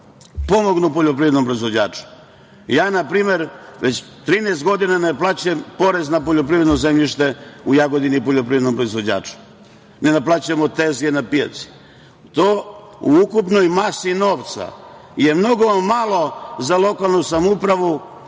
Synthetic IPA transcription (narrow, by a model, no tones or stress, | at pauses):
po̞mo̞ɡnupoʎopɾiʋɾed̪nompɾo̞izʋo̞d͡ʑaːt͡ʃu̥ | jaːnapɾiːme̞ɾʋet͡ɕ | t̪ɾiːneːst̪ɡo̞d̪inaneplˠaːt͡ɕempo̞ɾe̞znap̬o̞ʎopɾiʋɾed̪nozemʎiʃt̪e̞ujaɡo̞d̪inipoʎo̞pɾiʋɾed̪nompɾo̞izʋo̞d͡ʑa̰ːt͡ʃu̥ | ne̞naplaːt͡ɕemot̪ezenapija̰t̪si̥ | t̪oː | uukupno̞jmasino̞ːʋt̪sa̰je̞mno̞ɡo̞malˠo̞zalˠo̞kalˠnusamupɾaʋu